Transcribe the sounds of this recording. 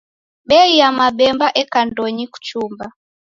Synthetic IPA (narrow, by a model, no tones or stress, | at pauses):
ɓɛijamaɓɛmbaʔɛkandɔɲiku̥t͡ʃumba